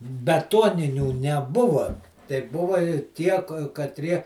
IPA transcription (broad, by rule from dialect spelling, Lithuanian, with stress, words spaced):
bʲɛˈtuɔnʲɪnʲuː nʲɛˈbʊʋɐ tɐɪ ˈbʊʋɐ ɪ ˈtʲiɛ kɐtʲˈrʲiɛ